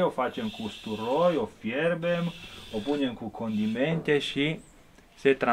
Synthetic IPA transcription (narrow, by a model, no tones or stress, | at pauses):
ofat͡ʃemkust̪uɾojofjerbemopunʲemkukʰond̪iment̪ʲeʃi | set̪ɾa